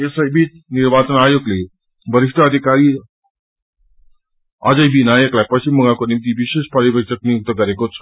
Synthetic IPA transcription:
esajbiːt͡s | niɾʋat͡sənajoɡli | bʱəɾiʂʈʰaəd̪ʱikaɾiː | ad͡zəjbinajeklapəɕiməɡãkonimt̪iʋiɕeɕpaɾibʱəkʂəknijuk̚t̪əɡəɾekot͡sʰ

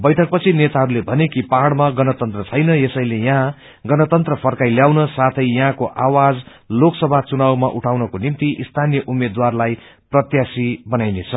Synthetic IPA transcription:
bʌjʈʰʌk̚pʌt͡sʰinet̪aɦʌɾulebʱʌnekipaɦɽmaɡʌnʌt̪ʌnt̪rʌt͡sʰʌjnʌesʌjlejãã | ɡʌnʌt̪ʌnt̪rʌpʰʌrkajljawnʌsat̪ʰʌjjaɦãkoʔawad͡z | loksʌbʱat͡sunawmaʔuʈʰawnʌkonimt̪iʔist̪ʰanijʌʔumed̪warlaj | prʌt̪jasibʌnajnet͡sʰʌ

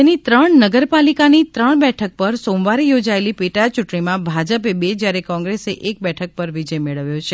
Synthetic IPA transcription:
enit̪ɾəɳnəɡəɾpalikanit̪ɾəɳbɛʈʰək̚pəɾsõmʋaɾijod͡ʒaelipeʈat͡ʃuʈɳimãbʱad͡ʒəpebed͡ʒjaɾekɔ̃ŋɡɾeseʔek̚bɛʈʰək̚pəɾʋid͡ʒəjmeɭəʋjõt͡ʃʰe

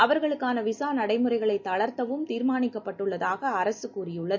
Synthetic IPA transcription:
ɐʋɐɾɣɐɭɯkːaːnɐʋɪsaːnɐɽɐɪmɯɾɐɪɣɐɭɐɪt̪ːɐɭɐɾt̪ɐʋɯmt̪iːɾmaːnɪkːɐpːɐʈːɯɭːɐðaːɣɐːɾɐsɯkuːrɪjɯɭːɐðɯ

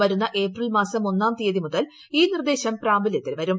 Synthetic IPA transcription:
ʋɐɾunːɐʔe̞ːprilmaːsɐmo̞nːaːnt̪ijɐðimuðɐl | iːnird̪e̞ːɕɐmpɾaːmbiljɐt̪ːilʋɐɾum

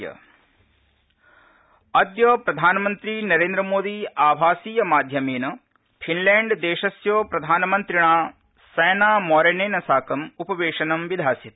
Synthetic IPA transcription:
jɐ̰ | ɐd̪joːpɾɐd̪ʱaːnɐmɐnt̪ɾinɐɾeːnd̪ɾɐmoːd̪iaːbʱaːsiːjɐmaːd̪ʱjɐmeːnɐ | pʰinleːɳɖd̪eːʃɐsjoːpɾɐd̪ʱaːnɐmɐnt̪ɾiɳaː | sɛːnaːmɔːɾeneːnɐsaːkɐmupɐʋeːʂɐnɐmʋid̪ʱaːsit̪

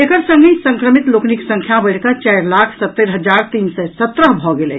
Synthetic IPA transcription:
ekəɾsə̃ŋɡisə̃ŋkɾəmit̪lokniksə̃ŋkʰjabəɽkət͡ʃaɪɾlaːkʰsət̪ːeɾɦəd͡ʒaɾt̪iːnsɛsət̪ːɾəɦbʱɔɡelɛ̰

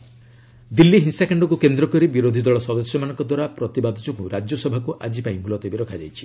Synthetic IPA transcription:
d̪ilːiɦinsakaɳɖɔkukend̪ɾɔkɔɾibiɾod̪ʱid̪ɔɭɔsɔd̪ɔsjɔmanɔŋkɔd̪waɾapɾɔt̪ibad̪ʱɔt͡ʃɔkuɾad͡ʒjɔsɔbʱakuʔad͡ʒipaĩmulɔt̪ɔbiɾɔkʰad͡ʒa̰jt͡ʃʰi̥

